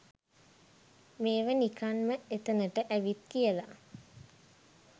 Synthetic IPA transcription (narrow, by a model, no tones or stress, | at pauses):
meːʋənikanməet̪ənəʈəʔæʋit̪̚kijəla̰